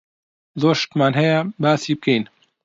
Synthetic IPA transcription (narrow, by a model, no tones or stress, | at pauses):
zoːʃt̪maːnɦɛjɛbaːsiːb̚kʰejn